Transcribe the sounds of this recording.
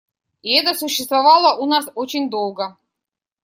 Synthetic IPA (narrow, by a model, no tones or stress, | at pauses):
iɛt̪əsʊɕːɪst̪vɐvɑlˠəʔunasot͡ɕɪnʲd̪olˠɡə